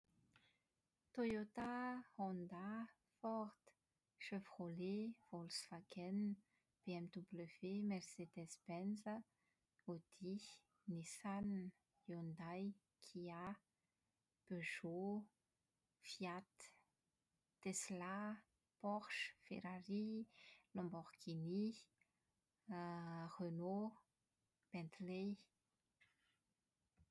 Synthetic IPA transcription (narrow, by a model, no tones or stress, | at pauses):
t̪ojot̪ahɔ̃nd̪a | fɔʁd̪ | ʃøfʁolev̥olsfakʰɛn | b̥eɛmd̪ubləvemɛrsed̪ɛsbɛnzə | od̪̥i | nisan | jɔnd̪aj | kʰia | b̥øʒo | fjat̪ | esla | pɔχʃfḛɾarilɔ̃mbɔʁɡini | ʁøno | b̥ɛ̃nt̪le